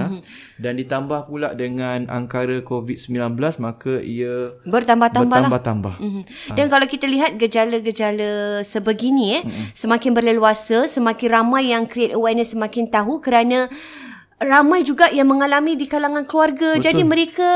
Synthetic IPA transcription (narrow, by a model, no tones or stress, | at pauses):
dandit̪ambahpulaʔdəŋãna̰ŋkaɾakovit̪̚səmbilanbəlasmakaiabərt̪ambaht̪ambalaat̪amba̰hm̩ɦm̩ | dankalawkit̪aliɦat̪̚ɡəd͡ʒalaɡəd͡ʒaləsəbəɡinĩjɛsəmãkɪnbərləluasəsəmãkɪnramãjːaŋkɾiet̪əwanəsəmakɪnt̪aɦukəɾanã | ramãjd͡ʒuɡaʔjaŋməŋalamĩdikalaŋãnkluarɡad͡ʒadimə̃ɾeka